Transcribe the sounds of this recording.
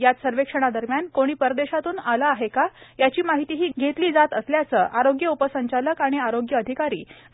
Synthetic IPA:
jat̪səɾʋekʂəɽ̃ad̪əɾmjankoɽ̃iːpəɾd̪eɕat̪uːnalaːɦekajat͡ɕiːmaɦit̪iːɦiːɡʱet̪liːd͡zat̪əsljat͡səːʔaɾoɡjəupəsəɲt͡ɕaləkaɽ̃iaɾoɡjəəd̪ʱikaɾḭː

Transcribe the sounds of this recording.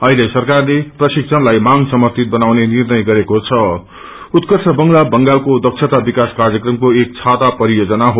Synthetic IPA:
ʌɦilesʌrkarleprʌsiksʰʌnlajmaŋsʌmʌrt̪it̪̚bʌnawnenirnʌjɡʌɾekot͡sʰʌ | ut̪kʌrsʰʌbʌŋlabʌŋɡalkod̪ʌksʰet̪abikaskarjʌkrʌmkoek̚t͡sʰat̪apʌɾijod͡zʌnaɦo

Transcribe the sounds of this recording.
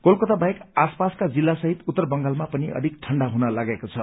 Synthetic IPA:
kolkot̪abaekaspaskad͡zilːasʌɦit̪ut̪ːʌrbʌŋɡalmapʌniʌ̰d̪ʱikʈʰʌɳɖaɦunʌlaɡekot͡sʰʌ

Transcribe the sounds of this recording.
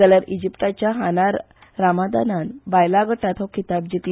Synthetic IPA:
aljaɾid͡ʑipʈ̪at͡ɕjaɦanaɾː | amad̪a̰nanbajlaɡəʈat̪ɦɔkʰit̪ab̚d͡ʑikl

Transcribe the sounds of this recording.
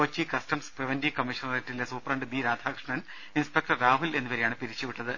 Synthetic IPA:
oːt͡ɕːikɐstɐmspriʋɐndikɐmːiʂɐnɐretːilesuːprɐɳɖɨbiːɾaːd̪ʱaːkʂɳɐn | inspek̚ʈɐrːaːɦule̞nːuʋɐɾejaːɳɨpiɾit͡ɕːuʋiʈːɐðɨ

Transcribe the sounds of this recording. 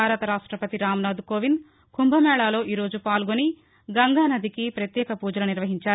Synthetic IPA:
aːɾɐt̪ɐɾaːʂʈɾɐpɐt̪iɾaːmnaːd̪ukoːʋin | kumbʱɐmɛːɭaːlo̞ːʔiːɾo̞ːd͡ʒupaːlɡoni | ɡɐŋɡaːnɐd̪ʱikipɾɐt̪jɛːkɐpuːd͡ʒɐlɐniɾʋɐɦiɲt͡ʃaːɾu

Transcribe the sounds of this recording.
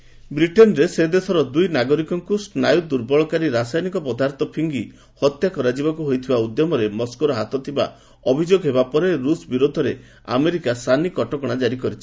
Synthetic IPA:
bɾiʈenɔɾesed̪esʰɔɾɔd̪ujnaɡɔɾikɔŋkusnajud̪uɾbɔɭɔkaɾiɾasajnikɔpɔd̪aɾt̪ʰɔpʰiŋɡi | hɔt̪jakɔɾad͡ʒibakuɦojt̪ʰibaud̪jɔmɔɾemɔskoɾɔɦat̪ɔt̪ʰiba̰ | ɔbʱid͡ʒoɡɦebapɔɾeɾusbiɾod̪ʱɔɾe | a̰meɾikasanikɔʈɔkɔɽ̃ad͡ʒaɾikɔɾit͡ʃʰi̥

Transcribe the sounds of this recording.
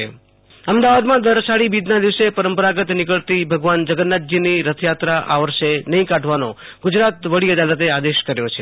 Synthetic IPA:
əmd̪aʋad̪mãd̪əɾsaɽibid̪nad̪iʋsepəɾəmpəɾaɡət̪nɪkəɭt̪ibʱəɡʋand͡ʒəɡənːat̪̚d͡ʒiniɾət̪ʰjat̪ɾaʔa̰ʋəɾʃenəɦĩkaʈʰʋano̰ | ɡud͡ʒɾat̪ʋəɽiəd̪alət̪̬ead̪eʃkəɾjot͡ʃʰe

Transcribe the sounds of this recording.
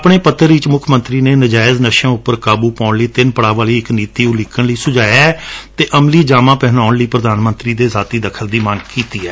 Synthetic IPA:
pɳeːpət̪ːəɾɪt͡ʃmʊkʰmə̃nt̪ɾiːneːnəd͡ʒaːɪznəʃãːʊpːəɾkaːbuːpãːʊɳləiːt̪ɪnpəɽaːʋaːliːɪkniːt̪iːulɪkːəɳləiːsʊd͡ʒaːjaɛt̪eːʔəmliːd͡ʒaːmãːpɛɦnaːʊɳləiːpɾəd̪aːnmənt̪ɾiːd̪eːzaːt̪iːd̪əkʰəld̪iːmaŋɡkiːt̪iːɛː

